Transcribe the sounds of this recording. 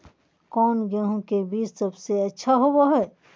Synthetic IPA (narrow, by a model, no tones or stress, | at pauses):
kɔːnɡəɦõkebiːd͡ʒsəbseɐtːʃʰaɦowaɦɛː